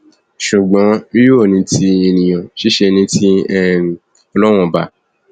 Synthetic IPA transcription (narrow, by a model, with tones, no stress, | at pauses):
ʃu˨ɡ͡bɔ̃˨˦i˦ju˦o˦˨nĩ˧tʰi˧˦e˧nĩ˨j̃ɔ̃˨ʃi˦ʃe˧nĩ˧ti˦ɛ˦˨ | ɔ˧lɔ˦w̃ɔ̃˧˨ba˨˧˨